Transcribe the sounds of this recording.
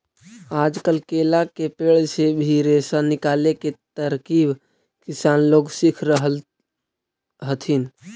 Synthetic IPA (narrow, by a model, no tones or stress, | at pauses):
aːd͡ʒkəlkelakepeːɭsebʱiɾesanɪkaːleket̪əɾkib | kɪsaːnloːɡsikʰɾəɦəl | ɦət̪ʰin